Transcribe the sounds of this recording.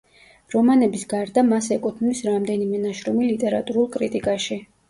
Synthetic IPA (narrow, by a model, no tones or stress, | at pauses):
ɾɔmanɛbisɡaɾd̪amasɛkʼut̪ʰnisɾamd̪ɛnimɛnaʃɾɔmilit̪ʼɛɾa̰t̪ʼuɾulˠkʼɾit̪ʼikʼaʃi